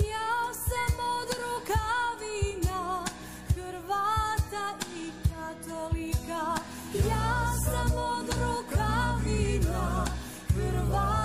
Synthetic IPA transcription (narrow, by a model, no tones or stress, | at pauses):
jasamod̪ɾukaʋina | xɾʋat̪aikat̪olika | jasamod̪ɾukavina | xɾʋa